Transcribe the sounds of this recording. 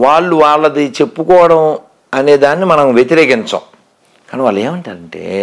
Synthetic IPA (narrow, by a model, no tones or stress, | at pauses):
ʋaːɭːuʋaːɭːɐd̪it͡ʃe̞pːukɔːʋɐɽɐm | ɐne̞ːd̪aːnːimɐnɐmʋjet̪iɾeːkiɲt͡ʃɐ̰ːm | kaːniʋaːɭlɐeːmɐɳʈaːɾɐɳʈḛː